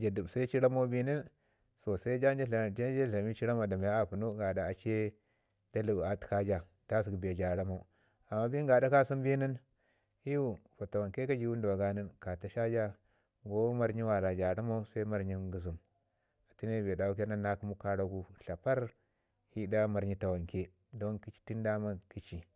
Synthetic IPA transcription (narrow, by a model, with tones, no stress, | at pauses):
d͡ʒa˨du˨bsa˦i˦t͡ʃi˦ɾa˦ma˦u˦bi˦ni˦n | so˨sa˦i˦d͡ʒa˦nd͡ʒe˦ɬa˨d͡ʒa˦d͡ʒa˦ɬa˨mi˦t͡ʃi˦ɾa˦ma˨da˨ma˨ja˦a˨pu˨nu˦ɡa˨da˨a˨t͡ʃe˦ | da˦lu˦˨ba˨ti̥˨ka˦d͡ʒa˨ | ta˦s̬i˨ɡba˨d͡ʒa˨ɾa˦ma˨u˨˦ | a˨mːa˦bi˦ŋ˦ɡa˨da˦ka˦su˦mbi˦ni˦n | hi˦ju˦˨fa˨ta˨wa˨ŋke˦ka˦d͡ʒi˦wu˦n˦da˨wa˨ɡa˦ni˦nka˨ta˨ʃa˦d͡ʒa˦ | ɡo˦ma˦ɾɲi˦wa˨la˨d͡ʒa˨ɾa˦ma˦u˦sa˦i˦ma˦ɾɲi˦ɡə˨z̬u˨m | a˨ti˦ne˦˨be˨da˨u˦kʲa˦na˦nːa˦ku˦mu˦ka˦ɾa˦ɡu˦ɬa˨pa˦ɾ | hi˦da˦ma˨ɾɲi˦ta˨wa˨ŋke˦ | do˦nki˦t͡ʃi̥˦ti˦nda˦ma˦ki˦t͡ʃi˨